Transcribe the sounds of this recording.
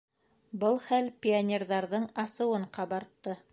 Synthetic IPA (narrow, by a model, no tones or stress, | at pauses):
bɤlˠχælpʲɪanʲerðɑɾðɤɴɑsɤ̆wɤɴqɑβɑɾt̪ːɤ